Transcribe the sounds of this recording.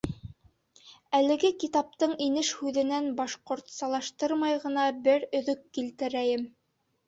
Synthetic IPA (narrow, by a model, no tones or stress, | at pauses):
ælɘ̆ɡɘkit̪ɑp̚t̪ɤɴinɘʃhʉðɘ̆nænbɑʃqoɾt̪sɑlˠɑʃt̪ɤɾmɑjʁɤ̆nɑbɘɾɵ̆ðɵkːilt̪ɘ̆ɾæjɘm